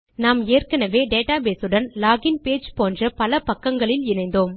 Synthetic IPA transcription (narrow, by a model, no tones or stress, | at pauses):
naːmeːrkɐnɐʋeːɖeːʈaːbeːsɯɽɐnlaːɣɪnpeːd͡ʒpoːndrɐpɐlɐpɐkːɐŋɡɐɭɪlɪnɐɪnd̪oːm